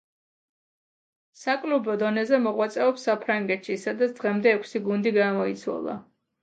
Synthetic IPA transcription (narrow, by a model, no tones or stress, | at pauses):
sakʼlubɔd̪ɔnɛzɛmɔʁwat̪sʼɛɔpsːapʰɾaŋɡɛt̪ʃisad̪at̪sd̪ʁɛmd̪ɛːkʷʰsiɡund̪iɡamɔit̪sʰwa̰lˠa̰